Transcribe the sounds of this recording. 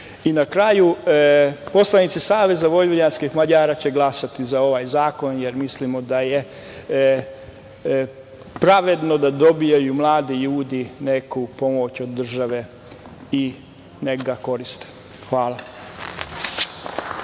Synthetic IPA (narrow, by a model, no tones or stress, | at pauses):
inakɾaju | po̞slˠanit̪sisaːʋe̞zaʋo̞jʋoʎanskixmaʎaːɾaːt͡ɕe̞ɡlˠasat̪izao̞ʋaːjzaːko̞njeɾmislimod̪aje̞ | pɾaʋe̞d̪no̞d̪ad̪o̞bijajumlˠaːd̪iʎuːd̪ine̞kupo̞mot͡ɕo̞d̪ːr̩ʒaʋe̞ | i | neɡako̞ɾist̪e̥ | xʋaːla